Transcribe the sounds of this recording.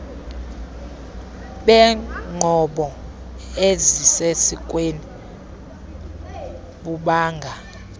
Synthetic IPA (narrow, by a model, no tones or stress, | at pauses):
ɓɛŋ͡ǃʱɔɓɔ | ezisesikʼweni | ɓuɓaːŋɡʱa